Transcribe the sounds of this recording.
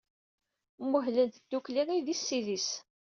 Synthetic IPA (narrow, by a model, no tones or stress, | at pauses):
mʊɦlənt̪d̪̥ːukliʁiðisːiðis